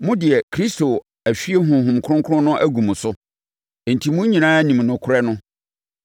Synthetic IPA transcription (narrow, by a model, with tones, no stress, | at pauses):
mʊ̃˦dɪ˨ɛ˨kʰɾi˦sto˨ | æ˨ɕᶣi˦e˦ɦʊ̃˨ɦũ˨m˨kʰʊ˦ʊ̃˦ŋkʰʊ˦ʊ̃˦nʊ̃˦ʔæ˦ɡũ˨m̃˨sʊ˦˨ | n̩˨tʰi˨mũ˦ɲĩ˨nãː˦æ˦nĩ˨mnʊ̃˨kʰʊ˦ɾɛ˦nʊ̃˦